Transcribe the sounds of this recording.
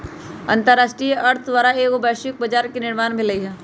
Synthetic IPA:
ɐ̰̃nt̪əɾːaːʃʈɾijeʔɐɾt̪ʰd̪ʋaːɾaeːkobɛːʃɪk̚bɐd͡ʒaːɾkinɪɾmaːnbʱilɐiɦɛː

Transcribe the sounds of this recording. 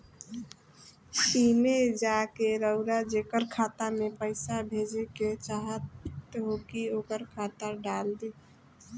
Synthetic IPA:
simed͡ʒakeɾəʊɾad͡ʒekəɾkʰat̪amepəɪsabʱed͡ʒeket͡ʃaɦət̪ɦokiokəɾkʰat̪aɖald̪i

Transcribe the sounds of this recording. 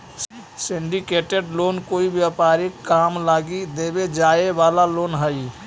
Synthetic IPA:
siɳɖikeʈeɖlonkoibjapaɾikːamlaɡid̪ebed͡ʒaebalalonɦəj

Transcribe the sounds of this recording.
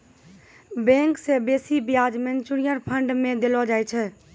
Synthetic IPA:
bɛ̃ŋksebesibijad͡ʒment͡ʃuɽijəɾpʰəɳɖmẽd̪elɔd͡ʒajt͡ʃʰɛ

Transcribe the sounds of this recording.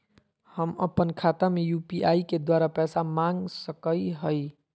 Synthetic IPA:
həməpənkʰat̪amejupiaiked̪waɾapɛsamãŋɡsəkəiɦəj

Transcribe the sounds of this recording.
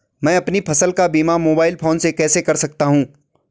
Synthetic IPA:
mɛ̃ːɐpnipʰɐsəlkabiːmamoːbaːɪlpʰoːnsekɛːsekɐɾsɐk̚t̪aɦũː

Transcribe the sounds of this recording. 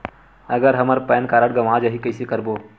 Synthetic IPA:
ɐɡəɾɦɐməɾpɛːnkaːɾəɽɡɐmãːd͡ʒɐɦikəjsekəɾboː

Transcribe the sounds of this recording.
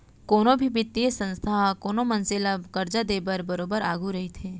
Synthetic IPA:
koːnõbʱibit̪ːiesə̃nst̪ʰakoːnõmɐnzɪlakɐɾd͡ʒad̪eːbəɾbɐɾoːbəɾaːɡuɾɐɦit̪ʰeː

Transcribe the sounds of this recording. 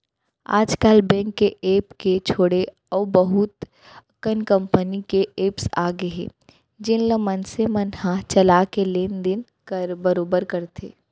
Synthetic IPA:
a̰ːd͡ʒkaːlbɛ̃ːŋkːeʔeːpket͡ʃʰoːɽe | ɔːbəɦʊt̪ | kənkə̃mpənikeeːpsa̰ːɡeɦḛ̃ | d͡ʒɪnləmɐnsemənhat͡ʃɐlakeleːnd̪ɪn | kbəɾoːbəɾkɐɾt̪ʰḛː

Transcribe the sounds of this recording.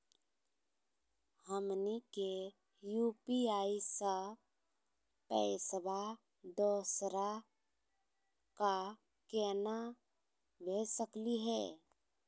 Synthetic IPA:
həmnike | juːpiaːisə | pɛsəbʱa | d̪oːsɾa | ka | kɛːna | bʱeːsəkliɦɛː

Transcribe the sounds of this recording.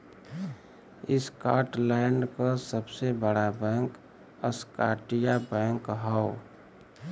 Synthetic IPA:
ɪskaːɾʈlaɪnɖkasəbsebəɽabɛ̃ŋk | əskaːʈijabɛ̃ŋkɦəo

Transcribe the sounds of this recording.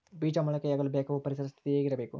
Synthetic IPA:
biːd͡ʒɐmːɐɭɐkːɐjɐɡɐɭbeːkʰɐʋɐpɐɾisɾɐst̪it̪ijeːɡiɾɐbeːkṵ

